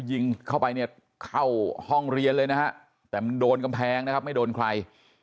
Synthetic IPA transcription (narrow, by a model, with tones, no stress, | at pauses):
ji˧ŋkʰa˥˩wpa˧jni˥˩ɐ | kʰa˥˩whɔ˥˩ŋɾi˧ənlɤː˧jna˦˥kʰa˦˥ʔ | t̪ɛː˨˩ma˧ndoː˧nka˧mpʰɛː˧ŋna˦˥kʰa˦˥ma˥˩jdoː˧nkʰɾa˧j